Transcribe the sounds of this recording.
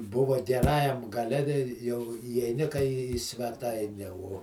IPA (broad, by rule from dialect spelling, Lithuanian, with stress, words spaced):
ˈbʊʋɐ ɡʲɛˈrɑːjɛm ɡɐˈlʲɛ tʲɛɪ jɛʊ iːɛɪˈnʲɪ kɐɪ iː sʲʋʲɛˈtɐɪnʲɛ uɔ